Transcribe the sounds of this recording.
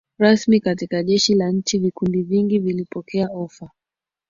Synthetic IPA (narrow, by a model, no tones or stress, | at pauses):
ɾasmikatikaʄɛʃilaɲ̩t͡ʃivikundiviŋɡivilipɔkɛaɔfa